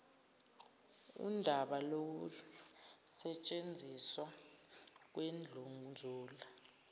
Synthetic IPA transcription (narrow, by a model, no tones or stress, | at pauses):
ṵndʱaɓalok̬u | sɛt͡ʃʼend͡zʱiswa | k̬wend͡ɮʱuŋnd͡zʱuːla